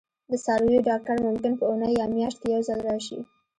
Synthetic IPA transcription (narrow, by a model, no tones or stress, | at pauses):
d̪əsɑɾujoɖɑk̚ʈaɾmʊmkɪnpəunəjɑmjɑʃt̪kejawzɑlɾɑʃḭ